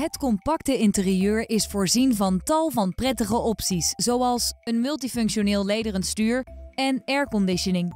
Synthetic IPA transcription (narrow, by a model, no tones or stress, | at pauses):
ɦətkɔmpɑktəɪntərijøːɹɪsfʊːɹzinvɑntɑlˠvɑnprɛtəχəʔɔpsiszowɑlˠsənmɵlˠt̬ifɵŋkʃonɪːlˠlejdərənstyːɹɛnɛɹkɔndɪʃənɪŋ